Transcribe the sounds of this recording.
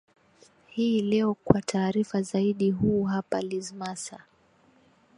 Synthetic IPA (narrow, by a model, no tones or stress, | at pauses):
hiːlɛɔkwatʰaːɾifazaiɗiɦuːɦapalizmasa